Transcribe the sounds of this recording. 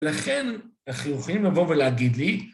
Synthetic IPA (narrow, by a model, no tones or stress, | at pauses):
elaχenaχujuχalimlavo̞veleaɡid̪li